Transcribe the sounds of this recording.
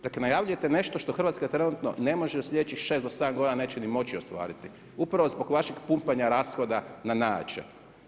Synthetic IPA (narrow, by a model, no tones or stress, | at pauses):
d̪aklenajaʋʎujet̪ene̞ʃt̪oʃt̪oxr̩ʋat̪skat̪ɾe̞nut̪no̰ne̞mo̞ʒeoslʲʎed̪et͡ɕixʃesd̪osed̪amɡod̪inane̞ːt͡ɕenimo̞t͡ɕio̞st̪ʋa̰ːɾit̪i | upɾaʋo̞zbo̞ɡʋaʃikpumpaɲaɾasxo̞d̪ananaːt͡ʃḛ